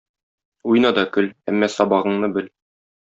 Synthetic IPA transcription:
ujnɑd̪ɒkɵlæmːæsɒbɑʁɤ̆ɴnɤbɘl

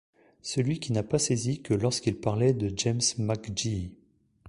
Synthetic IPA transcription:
səlɥikʲinapasezikəlɔʁskʲilpaʁlɛd̪əd͡ʒɛmsmakd͡ʒi

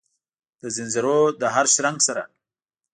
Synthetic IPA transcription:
d̪̥əzɪnzɪɾod̪əɦaɾʃɾaŋɡsaɾa̰

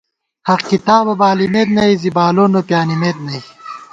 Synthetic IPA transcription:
hɐqkit̪aːbɐbaːlimeːt̪nɐizibaːloːnopjaːnimeːd̪̚nɐi

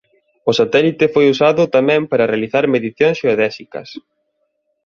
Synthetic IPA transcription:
ʊsat̪ɛlit̪ɪfojusaðʊt̪amɛ̃mpaɾɐrealiθaɾmeðiθjoŋsʃooðɛsikɐ̰s

